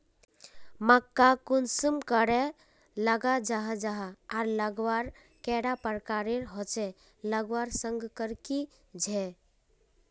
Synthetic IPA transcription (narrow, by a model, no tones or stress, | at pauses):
məkːakunsumkəɾe | ləɡad͡ʒaɦd͡ʒaɦaaɾləɡwaɾ | kɛɽapəɾkaɾeɾɦot͡ʃɛ | ləɡwaɾsəŋɡkəɾki | d͡ʒʱɛ